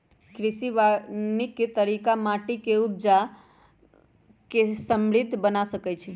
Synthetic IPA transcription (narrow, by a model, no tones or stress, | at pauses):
kɾisiʋanikːt̪əɾikamaʈikeub̚d͡ʒa | kesəmɭit̪bənasəkɛt͡ʃʰi